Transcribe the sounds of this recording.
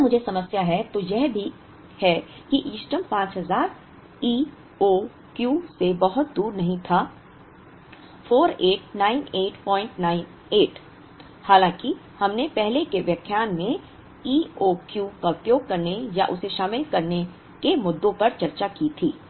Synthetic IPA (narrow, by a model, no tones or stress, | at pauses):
mʊd͡ʒʱesɐməsjaɦɛt̪ojɛɦbʱi | hɛkiʔiːsʈəmpãːt͡ʃɦɐzaːɾ | iː | o | kjuːsebɐɦʊt̪̚d̪uːɾnɐɦĩt̪ʰaː | fʰoːɾeːʈnaːɪneːʈpɔ̃ːɪ̃ɳʈnaːɪn | eːʈ | haːlãːki | hɐmnepɛɦlekeʋjɐkʰjaːnmẽ | iːoːkjuːkaʊpjoːɡ̚kɐɾnejaʔʊseʃaːmɪlkɐɾne | kemʊd̪ːõpɐɾt͡ʃɐɾt͡ʃakiːt̪ʰiː